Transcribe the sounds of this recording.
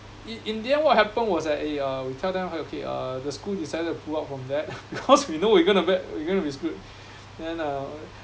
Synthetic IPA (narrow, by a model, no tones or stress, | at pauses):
iʔĩndiɛ̃nwɔt̚hɛpə̃nwɔsdɛʔeʌwitʰɛldɛ̃mokʰeʌ̰dəskuldisajdətːu̥pʰulatfɹɔ̃mdɛt̚b̥ikʰɔswinowiɡõnubɛt̚wiɡõnubiskut | dɛ̃nʌ